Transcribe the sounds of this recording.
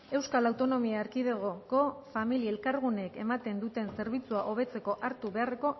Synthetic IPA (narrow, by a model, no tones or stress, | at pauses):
e̞wskalawt̪o̞no̞miaːɾkiðeɣoko̞familielkaɾɣ̞une̞ke̞mat̪e̞nd̪ut̪e̞nse̞ɾβ̞it͡suaʔo̞βe̞t͡se̞ko̞ʔaɾt̪uβe̞are̞ko̞